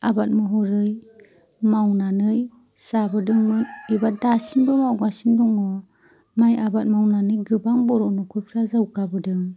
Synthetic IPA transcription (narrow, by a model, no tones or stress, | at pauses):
abat̚mɯɦɔɾɯj | mawnanɯj | sabɯdɯŋmɯnibat̚dasinbɯmawɡasindɔŋɯ | majabat̚mawnanɯjɡɯbaŋbɔɾɔnɔkʰuɾpʰiɾazawɡabɯdɯŋ